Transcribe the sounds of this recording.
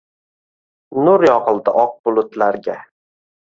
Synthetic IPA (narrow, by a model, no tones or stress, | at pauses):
nʊɾjɒqɨlˠd̪ɪʔɒq̚bʊlˠʊt̪laɾɡʲa